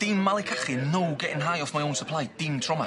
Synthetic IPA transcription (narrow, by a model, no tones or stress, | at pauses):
d̥iːnmːalˠikʰaχɪnowɡɛʔɪ̃nɦajɔfmajõwnsəpʰlˠajd̥iːmtʰɹ̥ɔma